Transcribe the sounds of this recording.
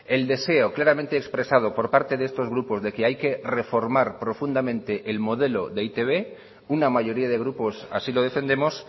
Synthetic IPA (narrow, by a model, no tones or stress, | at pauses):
e̞ld̪e̞se̞o̞klaɾamẽnt̪eːkspɾe̞sað̞o̞po̞ɾpaɾt̪e̞ðeest̪o̞zɣɾupo̞zðe̞keajke̞re̞fo̞ɾmaɾpɾo̞fund̪amẽ̞nt̪e̞ʔelmo̞ðe̞lo̞ðe̞it̪e̞β̞e̞ | unamaʝo̞ɾiaðe̞ɣ̞ɾupo̞sa̰silo̞ð̞efe̞nd̪e̞mo̞s